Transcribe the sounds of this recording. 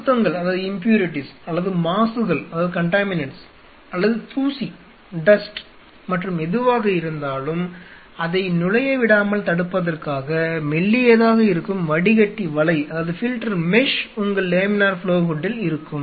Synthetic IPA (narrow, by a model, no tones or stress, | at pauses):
t̪ːɐŋɡɐɭɐðaːðɯɪmpjuːɾɪʈɪsɐlːɐðɯmaːsɯɣɐɭɐðaːðɯkɐɳʈaːmɪnɐɳʈs | ɐlːɐðɯt̪ʰuːsi | ɖɐsʈ | mɐʈrɯmɛðɯʋaːɣɐɪɾɯnd̪aːlɯm | ɐðɐɪnʊɻɐjɐʋɪɽaːmɐlt̪ɐɽɯpːɐðɐrkaːɣɐmɛɭːieːðaːɣɐɪɾɯkːɯmʋɐɽɪɣɐʈːiʋɐɭɐɪɐðaːʋɐðɯfɪlʈɐɾmɛʂʊŋɡɐɭleːmɪnaːɾfɭoːɣʊɖːɪlɪɾɯkːɯm